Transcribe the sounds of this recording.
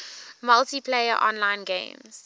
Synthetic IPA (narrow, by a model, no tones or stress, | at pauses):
maltipʰleɪəʔɔ̰̃nlãɪ̃nɡḛ̃ɪ̃mz